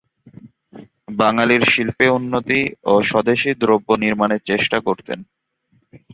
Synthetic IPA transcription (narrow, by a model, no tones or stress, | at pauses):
baŋaliɾʃilpeunːot̪ioʃɔd̪eʃid̪ɾobːoniɾmaneɾt͡ɕeʃʈakoɾt̪ḛn